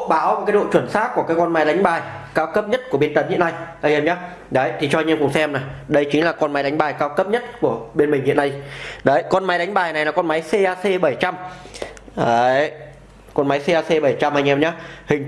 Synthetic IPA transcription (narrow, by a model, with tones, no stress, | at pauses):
ɓaː˨˦wo˨˩kaː˨˦jɗo̰˧˨t͡ɕwə˧˩nsaː˦˥t̚ku˧˩əkaː˨˦jkɔ˧nma˨˦jɗa˨˦ŋ̟ɓaː˨˩jkaː˧wkə˦˥p̚ɲə˦˥t̚ku˧˩əɓe˧nt̪ə˨˦nhḭ˧˨əna˧jha˧jʔɛ˧mɲaː˨˦ | ɗə˨˦jt̪ʰi˨˩t͡ɕɔ˧ɲi˧mkʊ˨˩ŋ͡msɛ˧mna˨˩jɗə˧jt͡ɕï˨˦ŋ̟laː˨˩kɔ˧nma˨˦jɗa˨˦ŋ̟ɓaː˨˩jkaː˧wkə˦˥p̚ɲə˦˥t̚ku˧˩əɓe˧nmi˨˩ŋhḭ˧˨əna˧jɗə˨˦jkɔ˧nma˨˦jɗa˨˦ŋ̟ɓaː˨˩jna˨˩jlaː˨˩kɔ˧nma˨˦jse˧ʔaː˧se˧ɓə˧˩jt͡ɕa˧m | ə˨˧˦ | kɔ˧nma˨˦jse˧aː˧se˧ɓə˧˩jt͡ɕa˧mha˧ŋ̟ʔɛ˧mɲaː˨˦hï˨˩ŋ̟